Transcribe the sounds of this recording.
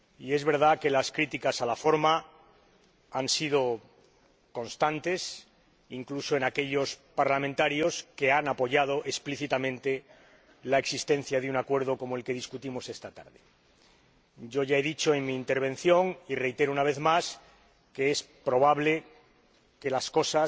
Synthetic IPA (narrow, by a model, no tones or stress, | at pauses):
ie̞zβe̞ɾð̞ake̞laskɾit̪ikasalafo̞ɾma | ansið̞o̞ | ko̞nst̪ant̪e̞s | iŋklusoe̞nake̞ʎo̞spaɾlamẽnt̪aɾjo̞ske̞anapo̞ʝað̞o̞ʔespliθit̪amẽnt̪e̞ | lae̞ksist̪ẽ̞n̟θjaðunakwe̞ɾð̞o̞ko̞moe̞lke̞ð̞iskut̪imo̞se̞st̪at̪a̰ɾðe | ɟ͡ʝo̞ʝae̞ðit͡ʃo̞eŋmiːnt̪e̞ɾβ̞e̞n̟θjo̞ŋire̞jt̪e̞ɾounaβ̞e̞θmas | ke̞espɾo̞β̞aβle̞ | ke̞lasko̞sa